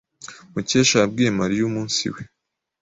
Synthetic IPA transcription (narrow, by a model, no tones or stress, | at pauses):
muceːʃaab̚ɡiemaɾijuːmuːnsḭwe